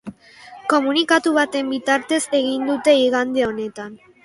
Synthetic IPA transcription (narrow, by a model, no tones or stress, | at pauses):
ko̞munikat̪uβat̪e̞mbit̪aɾt̪e̞se̞ɣind̪ut̪e̞iɣand̪e̞o̞ne̞t̪an